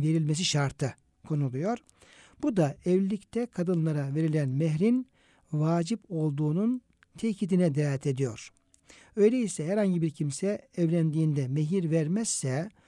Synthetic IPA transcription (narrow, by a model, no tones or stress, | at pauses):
ve̞ɾilʲmes̬iʃaɾt̪ʰɯ | kʰo̞nulˠujo̞ɾ | b̥ud̪aɛvlʲict̪ʰɛkʰad̪ɯnlˠaɾave̞ɾilʲænmɛɦɾin | vaːd͡ʒipo̞lˠd̪uːnun | t̪ʰecʰid̪inɛd̪ɛɛt̪ʰe̞d̪ijo̞̰ɾ̥ | ø̞jlʲeisɛɦæɾhaɲɟibiɾcʰimsɛːvlʲænd̪iːnd̪ɛmeɦiɾvæɾmɛz̥ːɛ